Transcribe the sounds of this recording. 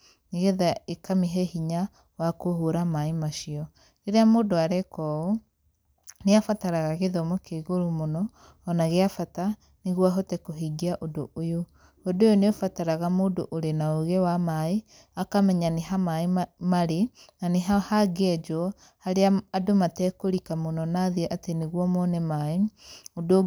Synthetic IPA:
neɣeðaekamiɦehiɲa | wakohoɾamaemaʃiɔ | eɾeamoːdoaɾɛkɔo | neafataɾaɣaɣeðɔmokeɣoɾumonɔː | naɣeafata | neɣwaɦotɛkoɦiɡiaʔodoojo | odojoneofataɾaɣamoːdo̰ʔoɾenaoɣewamae | akamɛɲaneɦamaemaɾenaneɦahaɡɛd͡ʒɔ | haɾeaːdomatɛːkoɾikamonɔnaðiɛʔateneɣwɔmɔnɛmaeodo

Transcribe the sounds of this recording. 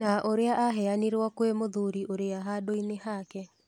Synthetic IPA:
naʔoɾeaʔaɦɛaniɾwɔkwemoðuɾiʔoɾeaɦadoinehakɛ

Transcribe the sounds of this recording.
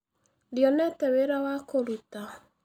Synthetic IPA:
djɔnɛtɛweɾawakoɾuta

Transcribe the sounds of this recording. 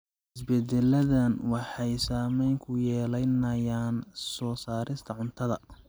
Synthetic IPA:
hɪsbɛd̪ɛlɐðɐnwɑħɑjsaːmɛjŋkʰʊjɛːlɐjnɐjaːnsɔːsaːɾʔɪst̪ʰɐʕʊnt̪ʰɐðɐ

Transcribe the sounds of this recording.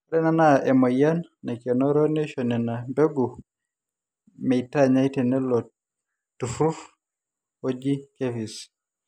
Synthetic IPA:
aɾɛnanaʔɛmɔjannɛkɛnɔɾɔnɛʃɔnɛnabɛɡu | mɛitaɲajtɛnɛlɔ | tufɾuf | ɔd͡ʒikefis

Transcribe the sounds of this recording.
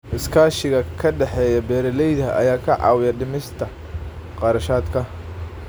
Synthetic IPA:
ʔɪskʰaːʃɪɣɐkʰɐɖɛħɛːjɐbɛːɾɪlɛjðɐʔɐ̰jaːkʰɐʕɑ̰ːwɪjɐɖɪmɪst̪ʰɐ | qɑɾɐʃaːd̪kʰɐ

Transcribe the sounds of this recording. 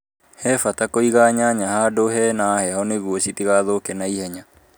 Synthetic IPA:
hɛfatakoiɣaːɲaɲahadoɦɛnaːhɛhɔneɣuɔɕit̪iɣaðokɛnaihɛɲa

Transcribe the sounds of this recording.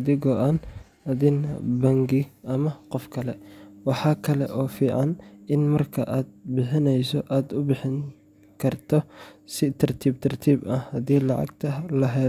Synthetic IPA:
ɐðɪɡɔʔaːn | ɐðɪnɐ̰bɐŋɡɪʔɐmɐqɔfkʰɐlɛwɑħɑːkʰɐlɛ̰ʔɔːfiːʕɑnɪnmɐrkʰɐ̰ʔaːd̪̚bɪħɪnɛjsɔʔaːd̪ʊbɪħɪŋ | kʰɐrt̪ʰɔsɪt̪ʰɐrt̪ʰiːb̚t̪ʰɐrt̪ʰiːbɐhɐðiːlɑʕɑ̰ɡt̪ʰɐlɐɦɛː

